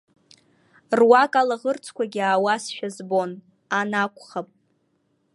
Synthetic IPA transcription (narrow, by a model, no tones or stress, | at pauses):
rwakʼalaʁərt͡sʰkʷʰaɡʲiaːwasʃᶣazbo̞n | anakʷʰʼχapʼ